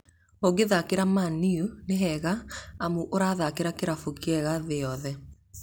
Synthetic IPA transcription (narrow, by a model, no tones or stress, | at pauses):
oɣeðakeɾamaniuneɦɛɣaːmuʔoɾaðakeɾakeɾafokeɛɣaðeɔðɛ